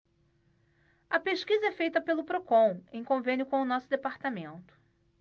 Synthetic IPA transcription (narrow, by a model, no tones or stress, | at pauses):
ɐpeʃkizɐɛfejt̪ɐpelʊpɾokõw̃ẽj̃kõvẽnjʊkõʊnɔsʊd̪epaɾt̪amẽnt̪ʊ̥